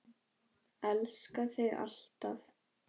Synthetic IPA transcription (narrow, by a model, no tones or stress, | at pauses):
ɛlskaθɪɣa̰l̥t̪a̰f